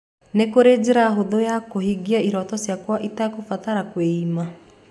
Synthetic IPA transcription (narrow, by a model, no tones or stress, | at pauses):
nekoɾed͡ʑeɾaɦoðojakohiɡiaiɾɔtɔsjakwaʔitakofataɾakweima